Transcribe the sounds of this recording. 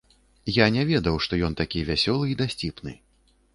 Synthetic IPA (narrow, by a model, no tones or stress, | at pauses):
janʲɛvʲɛd̪ɐwʂt̪ɔjɔnt̪akʲivʲasʲɔlˠɨid̪asʲt͡sʲipnɨ̰